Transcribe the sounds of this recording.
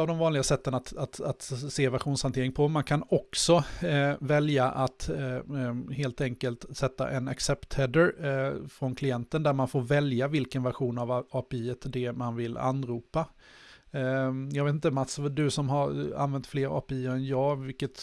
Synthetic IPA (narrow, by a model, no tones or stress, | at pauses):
avd̪ɔmvɑːnlɪɡasɛt̪ːənat̪at̪at̪seːvæɾɧuːnshant̪eːɾɪŋpʰɔmankʰanɔksɔvɛljaʔat̪ | heːlt̪ɛŋkəlt̪sɛt̪ːa̰ʔɛnaksɛpt̪ʰɛd̪əɾfɾɔnkʰlɪɛnt̪ənd̪æɾmanfoːɾvɛljavɪlkənvæɾɧuːnavɑːpɛiːət̪d̪ɛmanvɪla̰nːɾuːpa | jɑːɡveːt̪ɪnt̪əmat̪sd̪ɵsɔmɦaɾa̰nvɛnt̪fleːɾɑ̰ːpɛiːɾɛnjɑːɡvɪlkət̪